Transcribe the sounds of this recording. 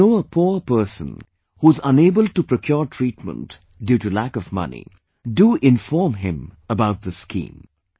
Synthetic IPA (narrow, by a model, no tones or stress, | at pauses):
oːəpʰuːɾpəːsə̰̃n | huːɪzʌ̃neːbəl̚ʈupɾokʰjɔːɾʈʰɾiːʈmə̰̃nʈ | djuːʈulækʌvmʌ̰nḭ | ɖuʔɪ̃ɱfɔːɾmɦɪ̃məbaʊʈ̪̚d̪əskḭ̃ːm